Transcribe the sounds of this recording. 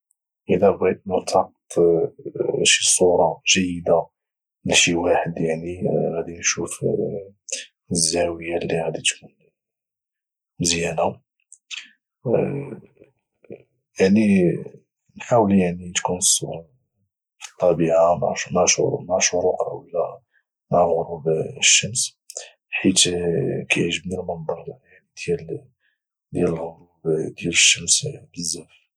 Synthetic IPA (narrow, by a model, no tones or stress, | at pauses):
ʔəlæbɣæd̪mʊɾt̪ʰɑq̚t̪ˤ | ʃisˤuɾˤɑʒ̥əjːəd̪a | lʃiwaħəd̪jaʕniɣæd̪inʃuf | əzːæwəjalːiɣæd̪it̪kun | məzjæna | jaʕni | nħawəljaʕnit̪kuns | fi̥t̪ˤːɑbiʕama̰ʕmaʕʃɾmaʕʃʊɾuqa̰wla | maʕɣʊɾubəʃːəms | ħit̪kæjʕʒəbnəlmənd̪ˤɑɾˤjaʕnid̪̥jæl | d̪jæləlɣʊɾubd̪jæləʃːəmsbəzːæf